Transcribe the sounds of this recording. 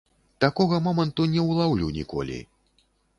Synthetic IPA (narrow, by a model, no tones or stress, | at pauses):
t̪akɔɣɐmɔmɐnt̪unʲɛwlˠawlʲunʲḭkɔ̰lʲḭ